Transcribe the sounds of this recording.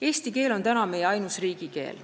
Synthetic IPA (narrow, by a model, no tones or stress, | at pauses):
e̞ːst̪ike̞ːlo̞nt̪ænɑme̞jeɑjnusriːɡ̥ike̞̰ːl